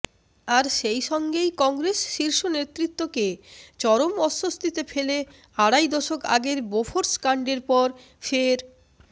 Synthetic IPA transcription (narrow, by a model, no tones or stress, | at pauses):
aɾʃejʃɔŋɡejkɔŋɡɾesʃiɾʃonet̪ːɾit̪ːoket͡ɕɔɾomɔʃːost̪ʰit̪efele | aɽajd̪ɔʃoka̰ɡeɾbofʰoɾskaɳɖeɾpɔɾ | feɾ